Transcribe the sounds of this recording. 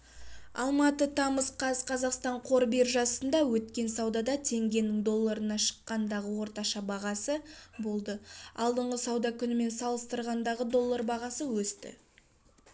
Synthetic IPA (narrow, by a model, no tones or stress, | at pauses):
ɑ̰lˠmɑt̪ət̪ʰɑməsqʰɑzqʰɑzɑqst̪ɑɴqʰo̞ɾbeɾʒɑsənd̪ɑwɵt̪kʲe̞nsɑwd̪ɑd̪ɑt̪ʰe̞ŋɡʲe̞nɪŋd̪o̞lˠːaɾənɑʃə̥qːɑnd̪ɑʁəwo̞ɾt̪ɑʃɑbɑʁɑsəbo̞lˠd̪əɑ̰lˠd̪əɴʁəsɑwd̪ɑkʲʰʏnɪme̞nsɑlˠəst̪əɾʁɑnd̪ɑʁəd̪o̞lˠːaɾbɑʁɑsəwɵst̪ɪ̰